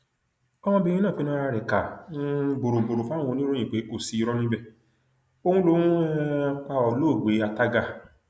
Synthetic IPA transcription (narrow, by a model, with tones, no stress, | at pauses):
ɔ˦m̃ɔ̃˧bĩ˧˦ĩ˦ã˦˨fi˨˦nã˦a˧ɾɛ˨kã˨˦˧ | bo˨ɾo˨bo˨ɾo˨fa˦ũ˦˨ɔ˧nĩ˦ɾõ˦ĩ˨k͡pe˨˦ko˦˨si˨˦i˧˦ɾɔ˦nĩ˦bɛ˦˨ | o˦˧hũ˦lo˦ũ˦ɛ˦k͡pa˧ɔ˨lo˦˨ɡ͡be˨˦a˧ta˦ɡa˧˨